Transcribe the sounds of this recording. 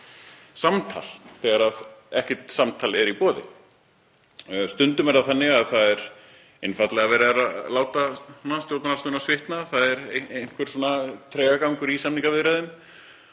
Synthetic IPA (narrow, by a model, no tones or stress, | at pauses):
samt̪ʰa̰l̥θɛɣaɾaðɛhcɛt̪samt̪ʰaːlɪɛɾipɔːðɪ̰ | st̪ʏnt̪ʏmɛɾt̪aθanːɪɣaðθaðɛɾ | ɪnfat̪lɛɣavɛːɾɪaɾalaːwt̪anast̪jowt̪anast̪ʏnasvɪht̪naθaðɛɾejn̥kʰvɪɾt̪soːnat̪ʰɾɛːɣakawŋkʏɾisamniŋkavɪðɾɛðʏm